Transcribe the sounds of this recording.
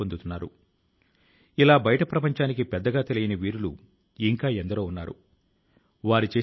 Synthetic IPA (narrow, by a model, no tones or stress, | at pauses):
ond̪ut̪unːaːɾṵ | ilaːbɐjɐʈɐpɾɐpɐɲt͡ʃaːnikipɛd̪ːɐɡaːt̪e̞lijɐnɐʋiːɾulu | iŋkaːend̪ɐɾoːunːaːɾṵ | ʋaːɾit͡ʃe̞ː